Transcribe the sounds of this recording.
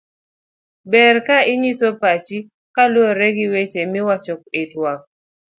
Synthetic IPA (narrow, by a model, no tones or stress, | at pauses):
bɛrkaɪɲisɔpat͡ʃi | kalwoɾɛɡɪwet͡ʃemɪwat͡ʃɔkɪtwak̚